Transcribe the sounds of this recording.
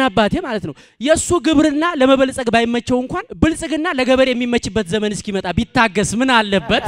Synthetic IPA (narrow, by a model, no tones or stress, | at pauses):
abːat̪ʰemalət̪nəw | jɛsːuɡɨβɾɨnːaləməβəlsʼəɡbajɪmːət͡ʃːɛwɨŋkʷanbɨlsʼɨɡɨnːaləɡəβəɾejɛmːimːət͡ʃːɨbːət̪zəmənɨskimət̪ʼabit̪ʰːaɡːəsmɨnalːəbːət̪